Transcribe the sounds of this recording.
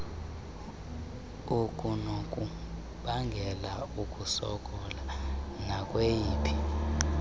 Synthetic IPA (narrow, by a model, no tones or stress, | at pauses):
ukʼunokʼu | ɓaŋɡʱɛlaukʼusɔ̰kʼɔlanakʼwejiːpʰi̥